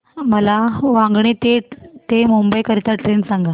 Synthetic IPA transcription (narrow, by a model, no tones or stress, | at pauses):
məlaʋãŋɡɳet̪eʈt̪emumbəjkəɾit̪aʈɾensãŋɡa